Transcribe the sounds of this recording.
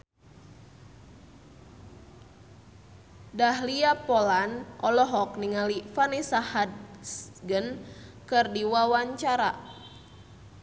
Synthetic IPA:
dahliapɔlanʔɔlɔɦɔkniŋalifanisahadsɡənkɨrdiwawaɲt͡ʃaɾa̰

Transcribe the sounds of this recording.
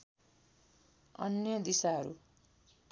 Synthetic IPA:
ʌ̰njʌd̪isaɦʌɾṵ

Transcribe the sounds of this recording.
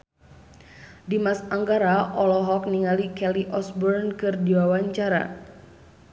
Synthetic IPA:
dimasaŋɡaɾaʔɔlɔɦɔk̚niŋalikɛliʔɔsbɔrnkɨrdiwawaɲt͡ʃaɾa̰

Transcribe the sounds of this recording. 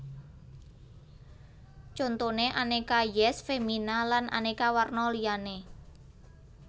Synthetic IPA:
t͡ʃont̪oneʔanekajɛsfeminalanʔa̰nekawarnɔliane

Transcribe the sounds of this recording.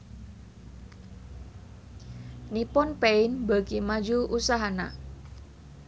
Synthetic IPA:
nipʊnpeɪnbakimad͡ʒuʔusaɦana

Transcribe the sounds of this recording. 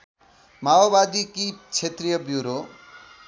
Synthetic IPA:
maobad̪ikit͡sʰet̪rijʌbjuɾo

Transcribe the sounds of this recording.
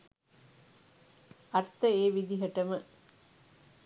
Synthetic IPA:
ɐrt̪ːəeːʋid̪iɦɐʈɐmə

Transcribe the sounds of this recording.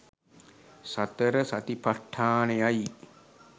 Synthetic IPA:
sat̪əɾəsat̪ipaʈʰːaːnejaj

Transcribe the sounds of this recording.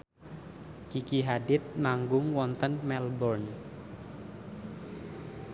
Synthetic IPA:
kikiɦadɪt̪̚maŋɡʊŋwɔnt̪ənmɛlbɔrn

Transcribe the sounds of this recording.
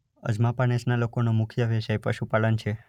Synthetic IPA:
ə̰d͡ʒmapanesnalokonomʊkʰjəʋeʃajpəʃupalənt͡ʃʰe

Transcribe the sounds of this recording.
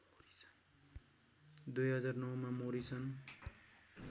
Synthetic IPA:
ɾisʰn | d̪ujɦʌd͡zarnʌwmamoɾit͡sʰʌn

